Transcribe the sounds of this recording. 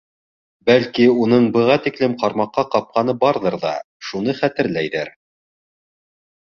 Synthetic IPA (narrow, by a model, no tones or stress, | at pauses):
bælkiunɤɴbɤ̆ʁɑt̪iklɘmqɑɾmɑqːɑqɑp̚qɑnɤbɑɾðɤɾðɑ̰ | ʃunɤχæt̪ɘ̆ɾlæjðɘɾ